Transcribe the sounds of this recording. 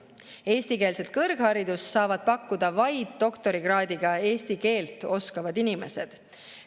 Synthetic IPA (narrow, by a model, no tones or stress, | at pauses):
e̞ːst̪ike̞ːlset̪̚kɤrɡ̥hɑɾid̪̥ussːɑːvɑd̪̥̚pɑkːud̪ɑvɑjd̪̥ːo̞kt̪o̞ɾiɡ̥rɑːd̪iɡ̥ɑe̞ːst̪ike̞ːlt̪ːˑo̞skɑvɑd̪inime̞se̞̰d̪̥